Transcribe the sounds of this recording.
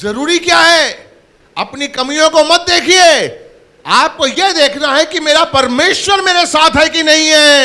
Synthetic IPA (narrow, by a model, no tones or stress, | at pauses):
zɐɾuːɾikjaːɦɛ | ɐpnikɐmijõkomɐt̪̚d̪eːkʰieː | aːp̚kojed̪eːkʰnaɦɛkimeːɾapɐɾmeːʃwəɾmeːɾesaːt̪ʰɦɛkinɐɦĩɦɛː